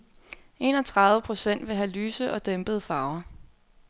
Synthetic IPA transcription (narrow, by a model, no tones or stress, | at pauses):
e̝̰ːnɒ̽t͡sʰʁɑ̈ð̞ˠʋəpʰʁo̝sen̰d̥ʋe̝ɦælyːsəʔɒ̽d̥emb̥əð̩ˠfɑ̈ʊɐ